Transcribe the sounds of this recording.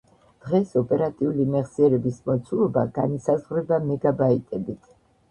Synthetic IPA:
d̪̥ʁɛsɔpʼɛɾat̪ʼiulimɛʁsiɛɾɛbismɔt̪sʰulˠɔbaɡanisazʁɾɛbamɛɡabait̪ʼɛbit̪ʰ

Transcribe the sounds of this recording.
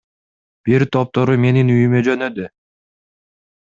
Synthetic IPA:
b̥iɾt̪ʰo̞p̚t̪oɾume̞ninyjymed͡ʒø̞nø̞d̪y

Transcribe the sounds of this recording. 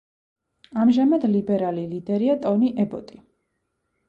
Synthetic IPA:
amʒamad̪libɛɾalilid̪ɛɾiat̪ʼɔniʔɛbɔt̪ʼi

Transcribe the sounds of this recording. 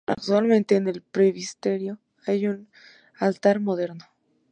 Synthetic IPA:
a̰k̚t̪walmẽnt̪e̞ːne̞lpɾeβist̪e̞ɾjo̞ | ajun | alt̪aɾmoðe̞ɾno

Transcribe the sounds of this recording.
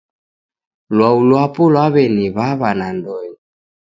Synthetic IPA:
lwaulwapɔlwaβɛniβaβanandɔɲi

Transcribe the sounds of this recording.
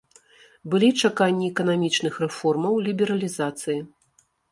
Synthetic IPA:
bɨlʲit͡ʂakanʲːiɛkɐn̪amʲit͡ʂnɨxrɛfɔrmɐwlʲibʲɛɾɐlʲizat̪sɨji

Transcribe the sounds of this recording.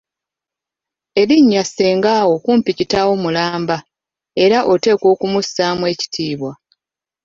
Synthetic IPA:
e̞βiɲːasːe̞ːŋɡaːwo̞kuːmpicitawo̞mulaːmba | e̞ɾaʔo̞te̞ːko̞ːkumusamwe̞ːci̥tʰiːβwa

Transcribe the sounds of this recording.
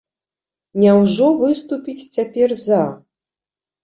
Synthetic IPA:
nʲawʐɔvɨst̪upʲit͡sʲt͡sʲapʲɛrza

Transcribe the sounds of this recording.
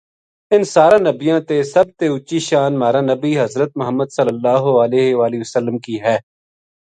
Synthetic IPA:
ɪnsaːɾãːnəbɪjãːt̪esɐb̚t̪eʊt͡ʃiːʃaːnmaːɾaːnəbiːɦɐzɾət̪̚mʊɦəmːəd̪səlːəlːaːɦoəleːɦʋaːlɪəsəlːəmkiːɦɛː

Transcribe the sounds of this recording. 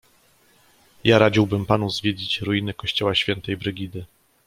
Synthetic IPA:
jaɾad͡ʑiwbɘmpanuzvʲjed͡ʑit͡ɕɾujinɘkɔɕt͡ɕɔwaɕfʲjɛnt̪ɛjbɾɘɡʲid̪ɘ

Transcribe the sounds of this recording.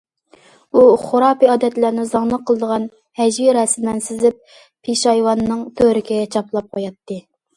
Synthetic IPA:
uχoɾɑːpiɑːd̪ɛt̪læɾnɪzɑŋlˠəqʰːəlˠɨd̪əʁɑn | hɛd͡ʒwiɾɛsɪnɛnsɪzɪp̚ | pʰiʃɑjwɑnːɨŋt̪ʰøɾɪkʲiɡʲɛt͡ʃʰɑplˠɑp̚qʰojɑt̪ʰːɨ

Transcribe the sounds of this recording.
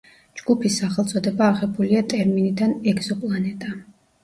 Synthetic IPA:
d͡ʒɡ̥upʰisaχɛlˠt̪sʼɔd̪ɛbaːʁɛbuliat̪ʼɛɾminid̪anɛɡz̥ɔpʼlˠanɛt̪ʼa

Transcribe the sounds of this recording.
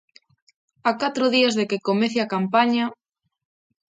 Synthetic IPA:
akat̪ɾʊðiazðekekomeθjakampaɲa

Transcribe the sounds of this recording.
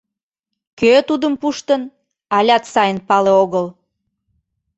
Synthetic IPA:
køt̪ud̪əmpuʃt̪ən | ɑlʲɑt̪sɑjənpɑleoɣəl

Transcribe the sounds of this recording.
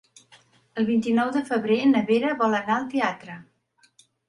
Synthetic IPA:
əlˠβint̪inɔwðəfəβɾenəβeɾəβɔlənaəlˠt̪eat̪ɾə

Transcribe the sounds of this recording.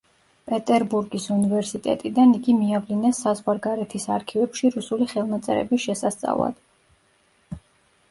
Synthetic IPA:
pʼɛt̪ʼɛɾbuɾɡisunivɛɾsit̪ʼɛ̰t̪ʼid̪aniɡimiavlinɛsːazʁwaɾɡaɾɛt̪ʰisaɾkʰivɛpʃiɾusuliχɛlˠmat̪sʼɛ̰ɾɛ̰bisʃɛsast̪sʼa̰vlˠa̰d̪̥

